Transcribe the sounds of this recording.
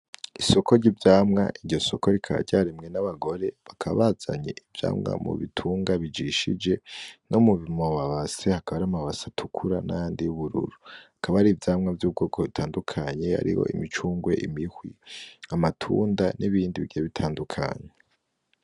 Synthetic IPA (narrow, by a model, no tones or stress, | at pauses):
iso̞kʰo̞ɾɟivjaːmŋa̰ʔiɾɟo̞so̞ko̞ɾikʰaɾa̰ɾɟaɾimŋe̞naβaɡo̞ɾe̞βakʰaβa̰βaz̥a̰ɲḛʔivja̰ːmŋa̰mṵβḭtʰuːŋɡaβid͡ʒiʃid͡ʒe̞no̞muβimoβaβase̞hakaβaɾamaβasatʰukʰuɾanajaːndijuβuɾṵɾuakʰaβaɾivjaːmŋavjuːb̚ɡo̞ːɡoβitʰaːndukʰaɲe̞a̰ɾḭho̞̰ʔḭmit͡ʃuːŋɡwe̞̰ʔimihwiamatʰṵːndanʔiβiːndiβiɟeβitʰaːndukʰa̰ɲe